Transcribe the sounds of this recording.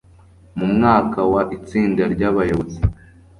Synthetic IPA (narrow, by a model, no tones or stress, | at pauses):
mumŋaːkawaʔit͡siːndaɾɟaβajoβozi